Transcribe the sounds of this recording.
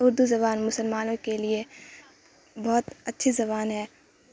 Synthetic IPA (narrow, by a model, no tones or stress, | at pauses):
ʊɾd̪uzɐβaːnmʊsəlmaːnõkelie | bɔːt̪ɐtːʃʰizɐβaːnɦɛː